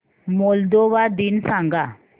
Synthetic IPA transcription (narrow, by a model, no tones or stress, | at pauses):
mold̪oʋad̪insãŋɡa